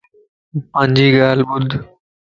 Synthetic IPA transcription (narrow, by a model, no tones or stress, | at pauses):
pə̃ɲʲd͡ʒiːɡaːlɓʊd̪ʱ